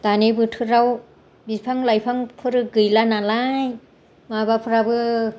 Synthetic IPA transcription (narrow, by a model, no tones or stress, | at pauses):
t̪anebɯtʰɯɾaw | bipʰaŋlajpʰaŋpʰɯɾɯɡɯjlanalaj | mabapʰɯɾabɯ